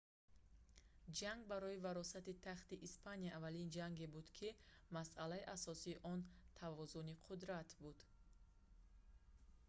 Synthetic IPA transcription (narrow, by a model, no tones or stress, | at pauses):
d͡ʒaŋɡ̚baɾɔivaɾɔsat̪it̪ʰaχt̪iʔispʰanijaːvalind͡ʒaŋɡebud̪kʰimasʔalaiʔasɔsiːʔɔnt̪ʰavɔzuniqʰud̪ɾat̪bud̪̥